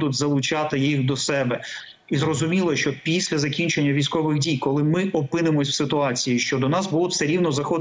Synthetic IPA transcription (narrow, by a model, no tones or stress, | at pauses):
d̪ʊdʲzɐlˠʊt͡ʃɑt̪ɪjixd̪ɔsɛbɛ | izɾɔzʊmʲilˠɐʃt͡ʃɔpʲisʲlʲɐzɐkʲinʲt͡ʃenʲːɐʋʲijsʲkɔʋɪɣdʲijkɔlˠɪmɪʔɔpɪnɪmɔsʲwsɪt̪ʊɑt͡sʲijiʃt͡ʃɔd̪ɔnɑsbulˠɔ̥sɛɾʲiwnɔzɐxɔd̪